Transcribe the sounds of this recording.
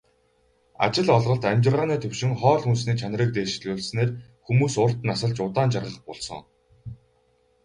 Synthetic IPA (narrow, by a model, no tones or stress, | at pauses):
a̰t͡ɕɪ̆ɮɔɮʁɞ̆ɬt̪amʲt͡ɕɪ̆rʁaːnæːt̪ʰɵwʃɪ̆ŋχɔːɮxuns̬niːt͡ɕʰan̆rə̆k̚t̪eːʃɮɣʊːɮsneːrxumuːsʊr̥t̪nasə̆ɮt͡ɕʊt̪aːnt͡ɕʰarʁə̆ə̆χpɔɮsɞ̰̆ŋ